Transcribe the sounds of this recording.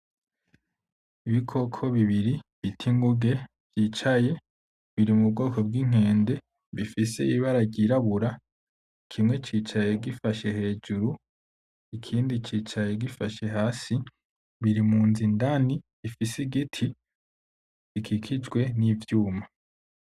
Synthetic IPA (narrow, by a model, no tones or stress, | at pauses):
iβikʰo̞kʰo̞βiβiɾiβitʰiŋɡuɡe̞ | v̥jiːt͡ʃaje̞ | βiɾimub̚ɡo̞ːkʰo̞bɡiŋ̥he̞ːnde̞ | βifise̞iβaɾaɟiɾaβuɾa | kʰimŋe̞t͡ʃit͡ʃaje̞ɡifaʃe̞he̞ːd͡ʒuɾu | ikʰiːndit͡ʃiːt͡ʃaje̞ɡifaʃe̞ɦaːsi | βiɾimuːnzindaniβifisiɡitʰi | ikʰikʰid͡ʒɡwe̞nivjuːma